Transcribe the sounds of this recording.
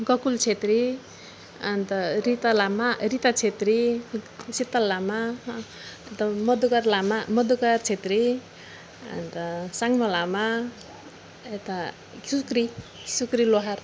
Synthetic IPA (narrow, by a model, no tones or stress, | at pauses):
ɡʌkult͡sʰet̪ɾi | ʌnt̪ʌɾit̪alamarit̪at͡sʰet̪ɾi | sit̪ːalːama | t̪ʌmʌd̪ukarlamamʌd̪ukart͡sʰet̪ɾi | ʌ̰nt̪ʌsaŋmʌlama | et̪a | sukɾisukɾiloɦar